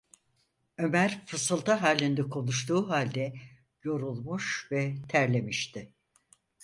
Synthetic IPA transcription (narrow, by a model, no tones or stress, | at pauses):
ø̞mæɾfɯsɯlˠt̪ʰaɦaːlʲind̪ɛkʰo̞nˠuʃ̬t̪uːɦalʲd̪ɛ | jo̞ɾulˠmuʃvɛt̪ʰæɾlʲe̞miʃt̪ʰɪ